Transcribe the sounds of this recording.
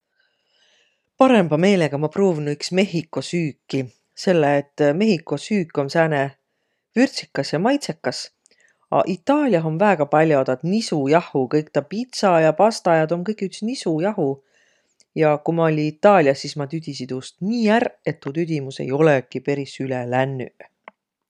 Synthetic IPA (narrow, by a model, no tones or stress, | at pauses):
pɑɾe̞mb̥ɑme̞ːle̞ɡ̥ɑmɑproːvinuyksme̞ɦikːˑo̞syːkːi | se̞lːeːt̪ːˑme̞ɦikːˑo̞syːkːˑo̞nsæːne | vyrt̪sikːˑɑsjɑmɑjt̪se̞kːɑs | ɑ̰ʔit̪ːˑɑːlʲjɑɦo̞nvæeɡ̥ɑpɑlʲjo̞d̪ɑd̪̥nisujɑhukɤjk̚t̪ɑpit̪sɑjɑpɑst̪ɑjɑd̪o̞mkɤjkyksnisujɑhu | jɑkumɑolʲiːt̪ːˑɑːlʲiɑsːismɑt̪yd̪̥ʲisit̪ust̪niːære̞t̪ːuːt̪yd̪̥ʲimuse̞̰jo̞lekipe̞ɾisylelænːy̰